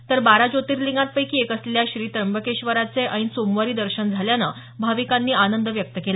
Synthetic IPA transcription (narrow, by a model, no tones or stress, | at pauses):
t̪əɾbaɾad͡ʑot̪iːɾliŋɡat̪̚pəjkiːekəsleljaɕɾiːt̪ɾəmbəkeɕʋəɾat͡seʔaĩnsomʋaɾiːd̪əɾɕənd͡zʱaljana | bʱaʋikanːiːanənd̪əʋjək̚t̪əkela